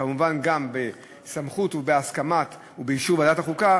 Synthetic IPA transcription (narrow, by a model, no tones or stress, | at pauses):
amuvanɡambe | samχutubeaskamat | ubejiʃuvadataχuka